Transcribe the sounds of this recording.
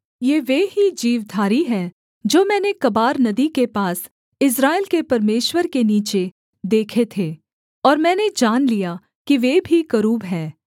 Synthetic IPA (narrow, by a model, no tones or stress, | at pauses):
jeːʋeɦid͡ʒiːʋd̪ʱaːɾiɦɛː | d͡ʒoːmɛ̃ːnekɐbaːɾnɐd̪ikepaːs | ɪs̬ɾaːɪlkepɐɾmeːʃwəɾkeniːt͡ʃe | d̪eːkʰet̪ʰeː | ɔːɾmɛ̃ːned͡ʒaːnlija | kiʋebʱikɐɾuːbɦɛː